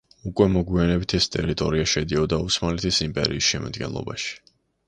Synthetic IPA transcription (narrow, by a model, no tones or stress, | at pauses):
ukʼwɛmɔɡwianɛbit̪ʰɛst̪ʼɛɾit̪ʼɔɾiaʃɛd̪iɔd̪ausmalɛt̪ʰisimpʼɛ̰ɾiːsʃɛma̰d̪̥ɡɛ̰nlˠɔ̰baʃi̥